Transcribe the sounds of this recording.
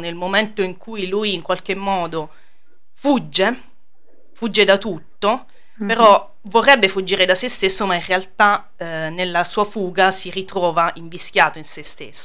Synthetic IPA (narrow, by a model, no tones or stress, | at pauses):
nelmoment̪oiŋkʰujluːjiŋkwalk̟emːɔːd̪o | fud͡ʒːe | fud͡ʒːed̪at̪ut̪ːo | peɾɔ | vorːɛbːefud͡ʒːiːɾed̪asest̪esːomainrːealt̪a | nelːasuːafuːɡasiɾit̪ɾɔːvaiɱvisk̟jaːt̪oinsest̪ḛsːo